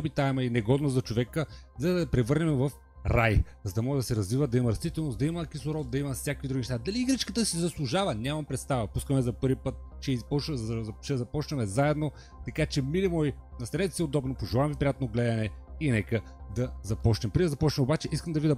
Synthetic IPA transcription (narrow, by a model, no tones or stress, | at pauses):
ɔbit̪aɛmɐinɛɡɔd̪nozɐt͡ʃovɛkəzɐd̪ɐpɾɛvɤɾnɛmvɐf | ɾaj | zɐd̪ɐmɔʒd̪ɐsɛɾɐzvivəd̪ɐimɐɾɐst̪it̪ɛlˠnosd̪ɐiməkʲisoɾɔt̪̚d̪ɐimɐfsʲakvid̪ɾuɡinɛʃt̪ad̪ɐliːɡɾɛt͡ʃkət̪əsizɐslˠʊʒavɐnʲamɐmpɾɛt̪st̪avəpuskəmɛzɐpɤɾvipɤt̪̚t͡ʃɛpɔt͡ʃɛzɐpɔt͡ʃnɐmɛzaɛd̪no | t̪ɐkat͡ʃɛmilʲimɔjnɐst̪ɐɾɛt̪ɛ̥siod̪ɔbnopoʒɛlˠamvipɾijat̪lˠnoɡlɛd̪ɐnɛinɛkə | d̪ɐzɐpɔt͡ʃnɛmpɾid̪ɐzɐpɔt͡ʃnɛmobat͡ʃɛʔiskəmd̪ɐvid̪ɐ